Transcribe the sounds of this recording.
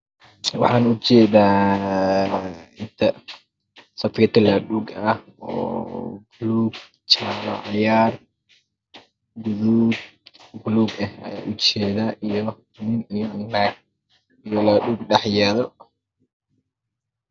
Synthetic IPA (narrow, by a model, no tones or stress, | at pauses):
wɑ̰ħɑːnʊt͡ʃɛːðaː | ɪnt̪ʰɐ | sɐfkɛt̪ʰɐlɐɗuːɡɐhɔ̰ːbʊluːɡ̚ | t͡ʃalɔ̰ʕɑjaːr | ɡʊðuːɡbluːɡɐhɐ̰ja̰ːʔʊt͡ʃɛːðaːʔijɔ | nɪnijnːnaɡ | ijɔlaːɗuːɡɖɑħjaːðɔ